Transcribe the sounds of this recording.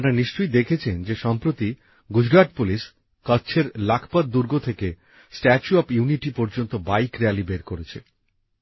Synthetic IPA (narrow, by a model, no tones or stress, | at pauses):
apɾaniʃt͡ɕojd̪ekʰet͡ɕʰend͡ʑeʃɔmpɾot̪i | ɡud͡ʑɡaʈ̚puliʃ | kəːɕʰeɾlakʰpad̪d̪uɾɡot̪ʰeke | sʈɛt͡ɕuɔpjuniʈipɔɾd͡ʑont̪obajkɾealibeɾkoɾet͡ɕʰḛ